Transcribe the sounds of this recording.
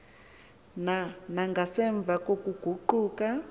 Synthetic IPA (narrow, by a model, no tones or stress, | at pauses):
nanaŋɡasɛɱb̪vakokuɡ̥ʱuǃuːka